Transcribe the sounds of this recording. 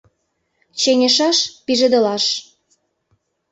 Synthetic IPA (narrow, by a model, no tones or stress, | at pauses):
t͡ɕenʲeʃɑʃpiʒĕd̪ə̆lɑʃ